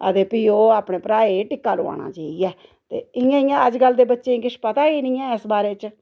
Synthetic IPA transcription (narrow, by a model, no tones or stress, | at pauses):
ə̰d̪eːpiːoːaːpɽeːpɾaːeːʈɪkːaːloːa̰ːña̰ːt͡ʃaːijɛː | t̪ḛːɪjãːɪjãːəd͡ʒɡəld̪eːbətːʃẽːɡɪʃpət̪aːiːnĩːɛ̃ːɪsbaːɾeːt͡ʃ